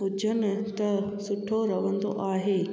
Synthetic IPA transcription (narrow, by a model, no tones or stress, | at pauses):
ʊd͡ʑʱənɪ̆t̪ɐsʊʈʰoɾɐʋə̃nd̪o̰ʔaːɦeː